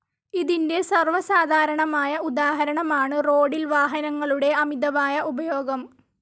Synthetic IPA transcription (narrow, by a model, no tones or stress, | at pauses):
iðinde̞sɐrʋɐsaːd̪ʱaːɾɐɳɐmaːjɐud̪aːɦɐɾɐɳɐmaːɳɨro̞ːɽilʋaːɦɐnɐŋːɐɭuɽe̞ɐmid̪ɐʋaːjɐʔubɐjo̞ːɡɐm